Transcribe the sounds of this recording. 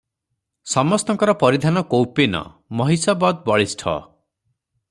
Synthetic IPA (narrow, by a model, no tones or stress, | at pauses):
sɔmɔst̪ɔŋkɔɾɔpɔɾid̪ʱanɔkowpenɔ̰ | mɔɦisɔbɔd̪̚bɔɭisʈʰɔ̰